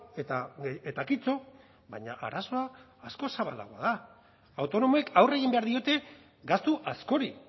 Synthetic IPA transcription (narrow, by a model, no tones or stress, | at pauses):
et̪aet̪akit͡so̞ | βaɲa̰ʔa̰ɾaso̞aː | sko̞saβala̰ɣoa̰ða | awt̪o̞no̞moe̞kʰawre̞ɣ̞imbe̞aɾðio̞t̪e̞ | ɡast̪uʔasko̞ɾi